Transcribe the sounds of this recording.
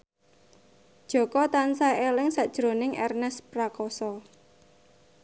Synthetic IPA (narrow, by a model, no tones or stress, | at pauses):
d̥ʒ̥ɔ̤kɔt̪ansaelɪŋsaʔd̥ʒ̥ɾonɪŋʔɛ̰rnɛspɾakɔsɔ